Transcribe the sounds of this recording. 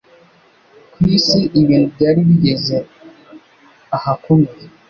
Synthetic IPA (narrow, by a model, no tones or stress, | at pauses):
kwiːsiʔiβiːnubɟaːɾiβiɟeze | ahakumie